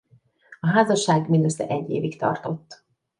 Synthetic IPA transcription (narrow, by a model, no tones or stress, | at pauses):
ɒɦaːzɒʃaːɡmind̪øsːɛ̰ʔɛɟːḛːvikt̪ɒ̰rt̪o̞t̪ː